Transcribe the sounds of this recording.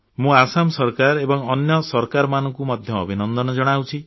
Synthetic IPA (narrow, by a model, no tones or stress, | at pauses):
mũasamsɔɾkaɾebɔŋɔnjɔsɔɾkaɾɔmanɔŋkumɔd̪ʱjɔ̰ːbʱinɔnd̪ɔnɔd͡ʒɔɽ̃awt͡ʃʰi